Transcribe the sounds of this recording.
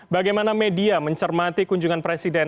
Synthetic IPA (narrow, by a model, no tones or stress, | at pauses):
baɡajmanamediaməɲt͡ʃərmat̪ikuɲd͡ʒuŋanpɾesidɛn